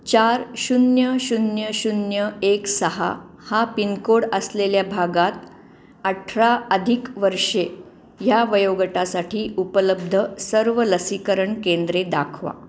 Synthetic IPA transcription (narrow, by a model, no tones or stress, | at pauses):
t͡ɕaɾɕunjəɕunjəɕunjəeksəɦa̰ | hapinkoɽəsleljabʱaɡat̪ | əʈʰɾaəd̪ʱikʋəɾʂe | jaʋəjoɡəʈasaʈʰiːupələb̚d̪ʱəsəɾʋələsikəɾəɳkend̪ɾed̪a̰kʰʋa̰